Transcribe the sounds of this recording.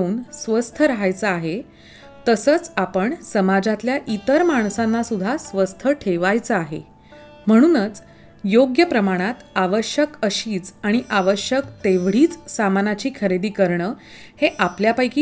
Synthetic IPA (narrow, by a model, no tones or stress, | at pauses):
uːnsʋəst̪ʰəɾəɦajt͡səaɦe | t̪əsəːt͡sapəɳsəmad͡zat̪ljaʔit̪əɾmaɳ̃sãnːasud̪ʱasʋəst̪ʰəʈʰeʋajt͡səaɦḛ | m̤əɽ̃uːnət͡s | joɡjəpɾəmaɽ̃at̪aʋəɕjəkəɕiːt͡saɽ̃iʔaʋəɕjəkt̪eʋɽ̤iːt͡ssamanat͡ɕiːkʰəɾed̪iːkəɾɳəː | heʔapljapajkiː